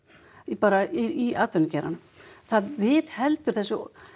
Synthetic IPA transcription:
ipaːɾaiiaːt̪vʏnʏcɛɾa̰n | θaðvɪːðhɛlt̪ʏɾ̥θɛsːʏ

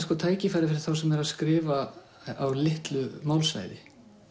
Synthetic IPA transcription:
skɔt̪ʰaːjcɪfajɾɪfɪɾɪ̥θawsɛmɛɾaðskɾɪːva | awlɪht̪lʏmaːwlsva̰ːjðɪ

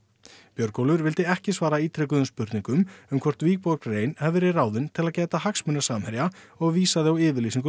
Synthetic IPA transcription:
pjœɾkowlʏɾvɪl̪t̪ɪɛhcɪsvaːɾaiːt̪ʰɾɛkʏðʏmspʏɾt̪niŋkʏmʏmkʰvɔr̥t̪viːk̚pokreːjnhɛvɪɾɪraːwðɪnt̪ʰɪlaðcɛːt̪ahaksmʏnːasaːmhɛɾjaɔɣviːsaðɪawɪːvɪɾliːsiŋkʏ

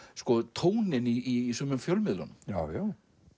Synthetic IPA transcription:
skɔt̪ʰoːwnɪniːsœmʏmfjœlmɪðlanʏmjawjaw

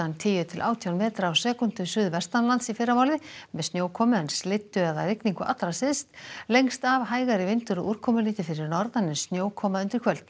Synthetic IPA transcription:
ant̪ʰɪːjʏt̪ʰɪlʔa̰ːwt̪ʰijawnmɛːt̪ɾaawsɛːkʏnt̪ʏsʏːðvɛst̪anlant̪sifɪrːamaːwlɪmɛðst̪njoːwkʰɔːmʏɛnslɪt̪ːʏaðarɪkniŋkʏʔa̰t̪ːɾasɪðst̪lejŋst̪avɦaːjɣaɾɪvɪnt̪ʏɾʏʔuɾ̥kʰɔːmʏliːt̪ɪfɪɾɪɾnɔɾðanːɪnsnjoːwkʰɔːmaʏnt̪ɾɪ̥ɾkʰœlt̪n

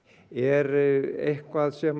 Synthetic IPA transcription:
erehkoɑlsem

